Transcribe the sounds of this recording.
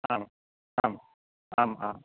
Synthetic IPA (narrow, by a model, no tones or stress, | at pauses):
aːm | aːm | aːmaːm